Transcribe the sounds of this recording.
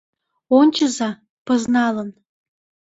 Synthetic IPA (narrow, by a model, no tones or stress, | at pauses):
onʲt͡ʃəzɑ | pɤ̆znɑlɤ̆n